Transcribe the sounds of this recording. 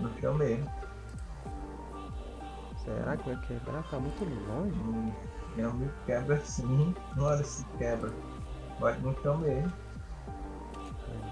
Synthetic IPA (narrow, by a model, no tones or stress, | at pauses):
nʊ̃ʃɐ̰̃w̃mem | sḛɾa̰kɛkeb̰ɾat̪amũj̃t̪umlõʒ̃ | ɐ̃mikɛbɾɐsĩnɐ̃w̃ɛɾɐsĩkɛbɾɐ | maznũʃɐ̃w̃memʊ